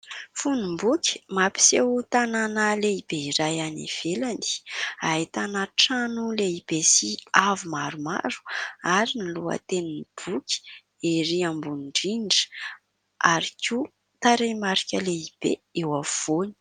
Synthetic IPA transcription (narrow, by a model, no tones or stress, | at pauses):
funimbukʲi̥mapi̥sewt̪ananaleib̥eiɾajanḭv̥eland̪i̥ait̪anaʈ͡ʂanuleib̥esiavumaɾuma̰ɾu̥aɾiniluə̰t̪eninib̥ukʲi̥ | eɾiambunɳɖ͡ʐiɳɖ͡ʐə̥ | aɾikʲu | t̪aɾemaɾikʲəleib̥eewav̥oni̥